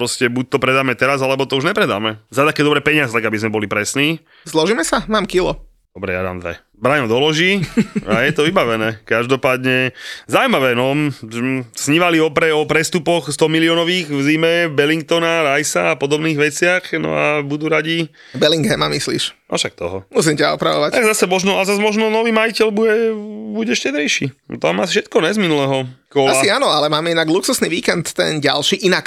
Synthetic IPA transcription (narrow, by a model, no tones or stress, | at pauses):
pɾɔscɛbuc̚t̪ɔpɾɛd̪aːmɛt̪ɛɾazalɛbɔt̪ɔuʒɲɛpɾɛd̪aːmɛzat̪akɛːd̪ɔbɾɛːpɛɲɪazɛt̪aɡabizmɛbɔlipɾɛsniː | zlˠɔʒiːmɛsamaːmkilɔ | d̪̥ɔbɾɛ̰ja̰d̪a̰ːmd̪ʋɛ̰ | bɾajnɔd̪ɔlɔʒiːajɛt̪ɔʋibaʋɛnɛːkaʒd̪ɔpaːd̪ɲɛzawumaʋɛːnɔ | sɲiʋaliɔpɾɛɔpɾɛst̪upɔxst̪ɔmiliɔnɔʋiːɣvzimɛbɛliŋkt̪ɔnaɾajsaːpɔd̪ɔbniːɣʋɛt͡sɪaxnɔ̰a̰bud̪uɾaɟi | bɛliŋɡɛmamislḭːʃʔa̰fʃak̚t̪ɔ̰ɦɔ̰mus̬imcaɔ̰pɾa̰ʋɔ̰ʋactaɡzasɛmɔʒnɔazazmɔʒnɔnɔʋiːmajicɛlbuɟɛbuɟɛʃcɛd̪ɾɛjʃit̪amasfʃɛt̪kɔnɛzminulɛːɦɔkɔlasaiaːnɔalɛmaːmɛinaɡluksusniʋiːkɛnt̪ːɛ̰nɟa̰lʃiːʔinak